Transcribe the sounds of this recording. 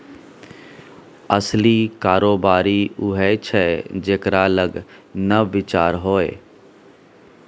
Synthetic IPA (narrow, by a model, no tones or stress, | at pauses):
əsliːkaːɾoːbaːɾiːʊɦɛt͡ʃʰɛd͡ʒeːkɾaːləɡnəʋɪt͡ʃaːɾɦoːḛː